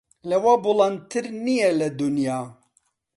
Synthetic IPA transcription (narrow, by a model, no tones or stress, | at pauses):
lɛwabulɑnt̪ʰɨɾnijɛlɛd̪unjaː